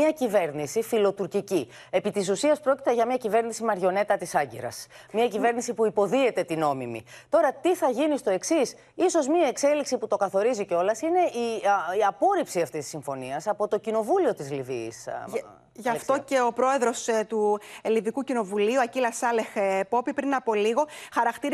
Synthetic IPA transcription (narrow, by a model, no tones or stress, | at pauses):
ɐcive̞ɾnisifilo̞t̪uɾcici | e̞pit̪is̬usiɐspɾo̞ci̥t̪eʝɐmɲɐcive̞ɾnisimɐɾʝo̞ne̞t̪ɐt̪isɐɟḭɾɐ̰s | mɐcive̞ɾnisipuipo̞ðie̞t̪e̞t̪ino̞mimḭt̪o̞ɾɐt̪iθɐʝinist̪o̞e̞ksis | iso̞zmiɐekse̞liksiput̪o̞kɐθo̞ɾiziceo̞lɐsine̞ʔiiɐpo̞ɾipsiɐft̪isi̥siɱfo̞niɐsɐpo̞t̪o̞cino̞vulio̞t̪izlivḭs | ʝɐft̪o̞ce̞o̞pɾo̞e̞ðɾo̞st̪uelivikucino̞vuliuɐcilɐsɐle̞xpo̞pipɾinɐpo̞liɣo̞xɐɾɐkt̪iɾ